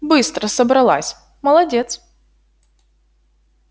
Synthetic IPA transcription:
bɨst̪ɾəsəbɾɐlˠa̰sʲ | məlˠɐdʲet̪s

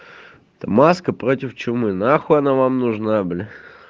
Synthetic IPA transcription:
t̪ɐmaskəpɾot̪ʲɪft͡ɕɪmɨnaxʊɐnavamnʊʐnabɨlʲɪ

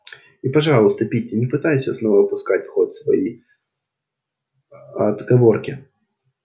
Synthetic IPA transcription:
ipɐʐɑllˠəst̪əpʲitʲːɪnʲɪpɨt̪ajʊsʲəsno̞vəpʊskatʲfxot̪svɐ̰jḛj | ɐd̪ɡɐvo̞rkʲɪ

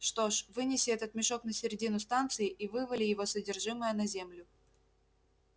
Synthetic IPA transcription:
ʂt̪o̞ʂvɨnʲɪsʲɪɛt̪ət̪mʲɪʂo̞knəsʲɪɾʲɪdʲinʊst̪ant̪sɨɪʔivɨvəlʲɪjɪvo̞sədʲɪrʐɨməjənɐzʲemlʲʊ

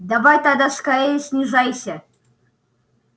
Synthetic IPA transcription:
d̪avajt̪ad̪askaɾejəsʲnʲiʐajsʲə

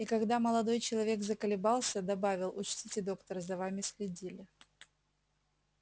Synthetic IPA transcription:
ikɐɡd̪aməlˠɐd̪o̞jt͡ɕɪlˠɐvʲe̞ɡzəkəlʲɪbalˠsʲəd̪ɐbavʲɪlˠʊt͡ɕtʲitʲɪd̪o̞kt̪əɾzɐvamʲɪsxlʲɪdʲilʲɪ

